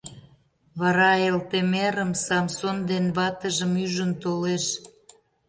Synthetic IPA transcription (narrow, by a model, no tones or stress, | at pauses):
βɑɾɑelt̪emeɾəmsɑmsond̪enβɑt̪əʒəmyʒənt̪oleʃ